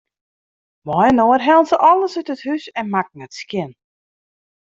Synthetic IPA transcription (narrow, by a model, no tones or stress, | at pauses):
mɔjənoːərɦɛlˠnsəʔɔlˠəsœtəthysɛnmak̚nɛtskjɪn